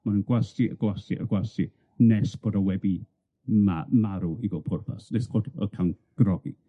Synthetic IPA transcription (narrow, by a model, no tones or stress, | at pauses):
manənɡwasiʔə̰ɡ̥wasiʔə̰ɡwasi | nɛsb̥oːdawɛbi | mamaɾuiɡɔpʰʊrpʰa̰snɛsɡɔdə̰kʰan | ɡ̥rɔɡḭ